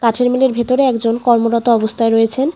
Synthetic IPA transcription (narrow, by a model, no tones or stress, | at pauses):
kaʈʰeɾmileɾbʱet̪oɾeɛkd͡ʑonkɔɾmoɾɔt̪oɔbost̪ʰaeɾojet͡ɕʰen